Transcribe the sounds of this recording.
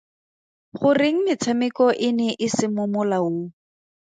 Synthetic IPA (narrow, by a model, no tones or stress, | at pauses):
χʊrɪŋ̩mɪt͡sʰamɪkɔʔɪnɛʔɪsɪmʊmʊlao